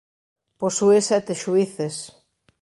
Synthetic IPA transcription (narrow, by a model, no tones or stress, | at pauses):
posuesɛt̪eʃuiθes